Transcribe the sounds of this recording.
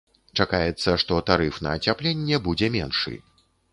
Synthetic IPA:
t͡ʂakajɛt̪sːɐʂt̪ɔt̪aɾɨfnɐ̰ːt͡sʲaplʲenʲːɛbud͡zʲɛmʲɛnʂɨ̰

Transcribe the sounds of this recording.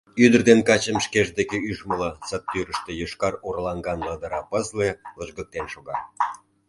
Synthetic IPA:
yd̪ərd̪enkɑt͡ɕəmʃkeʒd̪ekeyʒmələsət̪ːyɾəʃt̪ejoʃkɑrorlɑŋɡɑnlɑd̪əɾɑpəzleləʒɡə̆k̚t̪enʃoɣɑ

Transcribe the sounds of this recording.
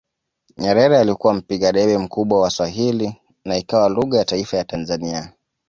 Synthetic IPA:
ɲɛɾɛɾɛalikuwam̩piɠaɗɛɓɛm̩kuɓwawaswaɦili | naikawaluɣajataifajatanzania

